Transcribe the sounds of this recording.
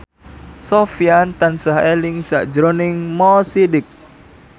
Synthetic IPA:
sofiant̪ansaɦeliŋsaʔd͡ʒɾɔniŋmɔsidɪk̚

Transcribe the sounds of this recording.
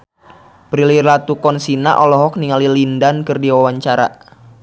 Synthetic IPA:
pɾilirlat̪ukɔnsina̰ʔɔlɔɦɔk̚niŋalilindankɨrdiwawaɲt͡ʃaɾa̰

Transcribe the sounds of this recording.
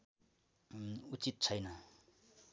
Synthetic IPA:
ut͡sit̪̚t͡sʰʌjnʌ

